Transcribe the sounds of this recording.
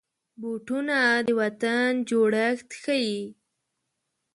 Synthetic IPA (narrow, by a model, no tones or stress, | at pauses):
boʈunad̪əwat̪and͡ʒoɽaxt̪xaji